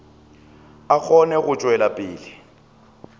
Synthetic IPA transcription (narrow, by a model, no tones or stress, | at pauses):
ak͡xʰɔnɛɣʊt͡ʃʼwɛlapʼɪːlɪ